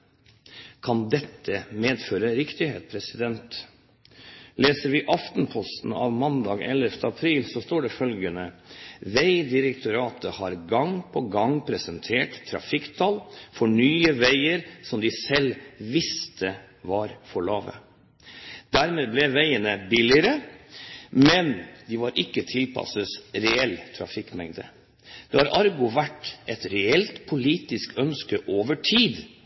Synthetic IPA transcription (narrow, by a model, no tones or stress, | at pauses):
kʰɑnd̪ɛt̪ʰːəmeːd̪føːɾəɾɪkt̪ɪheːt̪pʰɾɛsɪd̪ɛnt̪ | leːsəɾʋɪʔɑft̪npʰɔst̪n̩ɑ̰ʋmɑnd̪ɑːɡɛ̰lːəft̪əɑpʰɾiːlsɔst̪oːɖɛfœlɡənəʋæɪd̪ɪɾɛkt̪ʰʊɾɑːt̪əhɑɾɡɑŋpʰɔɡɑŋpʰɾɛsənt̪ʰeːʈt̪ʰːɾɑ̰fɪkt̪ʰɑːlfɔɳyːəʋæɪəɾsɔmd̪ɪsɛlʋɪst̪ʰə | ʋɑɾfɔɭɑːʋə̰ | d̪̥æɾmeːblɛʋæɪənəbɪlɪəɾə | mɛnd̪ɪʋɑɾʔɪkːət̪ʰɪlpʰɑ̰səsɾɛɛlːt̪ʰɾɑ̰fɪkːmɛŋd̪ə | d̪̥ɛhɑɾʔɑɾɡʊʋæʈːʔɛt̪ɾɛɛlt̪pʰʊliːt̪ɪskœnskəʔoːʋəʈʰiːd̪